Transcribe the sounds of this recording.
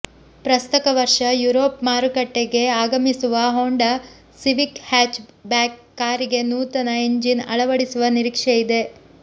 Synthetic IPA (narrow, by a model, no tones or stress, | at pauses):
pɾɐst̪ɐkɐʋɐɾʂɐjuɾo̞ːpmaːɾukɐʈːeɡe̞aːɡɐmisuʋɐɦoːɳɖɐ | siʋikhaːt͡ʃbaːkːaːɾiɡe̞nuːt̪ɐnɐeɲd͡ʒinɐ̰ɭɐʋɐɽisuʋɐniɾikʂejid̪e̞